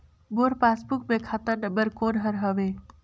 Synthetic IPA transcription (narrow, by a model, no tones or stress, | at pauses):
boːɾpaːsbukmẽkʰaːt̪əɾnəbəɾkoːnɦəɾɦəʋeː